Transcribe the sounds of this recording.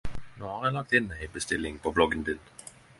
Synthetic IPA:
noːhɑʁjæɪlɑk̚t̪ɪnmæɪɪbəst̪ɪlːɪŋpʰɔblɔɡənd̪ɪn

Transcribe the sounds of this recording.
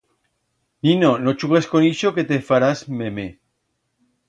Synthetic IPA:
ninonot͡ʃuɣ̞eskoniʃoke̞t̪efaɾazmeme

